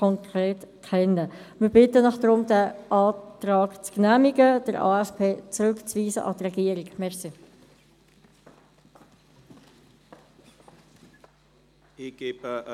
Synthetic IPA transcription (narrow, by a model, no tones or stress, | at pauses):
kɔŋkʁeːtkʰɛnːəmɪɾb̥ɪtənɑχd̥ɾʊmdɛʔɑːtɾɑːkt͡sknæːmiɡəd̥əɾʔɑ̰ɛspʰeːt͡sɾʉkt͡sviːsə̰ʔɑ̰trɛɡiəɾɪkmɛʁsi | ɪɡ̥e̥ːə